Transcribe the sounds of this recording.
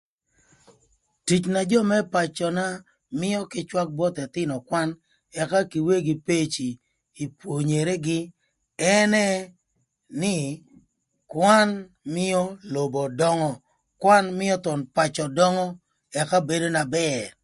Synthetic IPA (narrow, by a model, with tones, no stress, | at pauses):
ti˨t͡ʃna˨d͡ʒɔ˦˨mɛ˦pa˨t͡ʃɔ˨na˦ | mɪ˦ɔ˦kɪ˦t͡ʃwa˦k̚bɔ˦t̪ɛ˨t̪ɪ˦nɔ˨kwa˦n | ɛ˨ka˦ki˨we˦ɡi˨pe˦t͡ʃiː˨ | pwo˨ɲe˨ɾe˦ɡɪ˦ | ɛ˦nɛ˦ | nɪ˦ | kwa˦n | mɪ˦ɔ˦lo˨bɔ˨dɔ˦ŋɔ˦ | kwa˦nmɪ˦ɔ˦t̪ɔ˨npa˨t͡ʃɔ˨dɔ˦ŋɔ˦ | ɛ˨ka˦be˨do˦na˨bɛ˦˨